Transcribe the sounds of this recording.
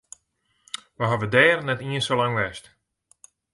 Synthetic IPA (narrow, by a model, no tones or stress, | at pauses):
ʋəɦaʋədɛːrnɛtiənsolaŋʋɛst